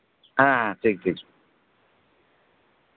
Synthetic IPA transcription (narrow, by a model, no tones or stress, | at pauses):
ɦãɦãʈʰiːk̚ʈʰiːk